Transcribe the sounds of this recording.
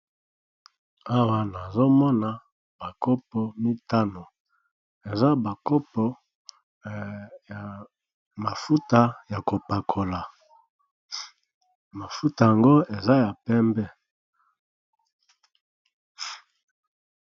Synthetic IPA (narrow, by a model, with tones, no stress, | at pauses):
a˦wa˨na˨zo˦mɔ˦na˨ | b̥a˨kɔ˦pɔ˨mi˦ta˦no˨ | e˨za˦ba˨kɔ˦pɔ˦ | ja˨ | ma˨fu˦ta˦ja˨ko˨pa˨kʰo˨la˨ | ma˨fu˦ta˨ja˨ŋɡo˦e˨za˦ja˨pɛ˦mbɛ˦